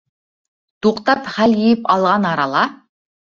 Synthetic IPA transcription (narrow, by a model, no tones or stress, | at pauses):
t̪ʰuqt̪ɑpχæljijɪpɑlˠʁɑnɑɾɑlˠɑ